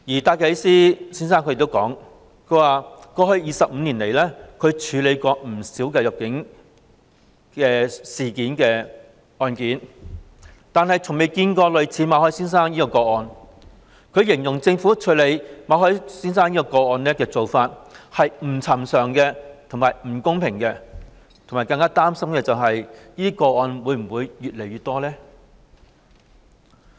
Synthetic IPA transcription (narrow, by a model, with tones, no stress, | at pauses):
jiː˨˩t̪aː˧jkɐ˨˥siː˥siː˥nsaː˥ŋkʰjkt̪o˥kɔ̰ː˨˥ŋ | kʰɵ˨˧ɥwaː˨˩kɔː˧hɵ˧ɥjiː˨sɐ˨p̚m̩˨˧niː˨˩nle˨˩jlɛː˥kʰɵ˨˧t͡ʃʰyː˨˧le˨˧jkɔː˧m̩˨˩siː˨˥wkɛː˧jɐ˨˩k̚kɪ˨˥ŋ | kɛː˧siː˨kiː˨˥nkɛː˧ | ɔː˧nkiː˨˥n | t̪aː˨nhɐ˨jt͡sʰʊ˨˩ŋme˨˩jkiː˧nkɔː˧lɵ˨˧ɥt͡sʰiː˨˥maː˨˧hɔː˥siː˥nsaː˥ŋjiː˥kɔː˧kɔː˧ɔː˧n | kʰɵ˨˧ɥjɪ˨˩ŋjʊ˨˩ŋt͡sɪ˧ŋfuː˨˥t͡ʃʰɵ˧˥le˨˧jmaː˨˧hɔː˥jsiː˥nsaː˥ŋnjiː˥kɔː˧kɔː˧ɔː˧nlɛː˥kɛː˧t͡so˨wfaː˧t̚hɐ˨jm̩˨˩t͡sʰɐ˨˩msœː˨˩ŋkɛː˧t̪ʰʊ˨˩ŋmaː˨˩jm̩˨˩kʊ˥ŋpʰɪ˨˩ŋkɛː˧ | t̪ʰmaː˨˩jkɐ˧ŋkaː˥t̪aː˥msɐ˥mkɛː˧t͡sɐ˨wɦɐ˨jniː˥t̪iː˥kɔː˧ɔː˧nwuː˨˧jm̩˨˩wuː˨˧jːyː˨t̚le˨˩jɥyː˨t̪̚ɔː˥lɛː˥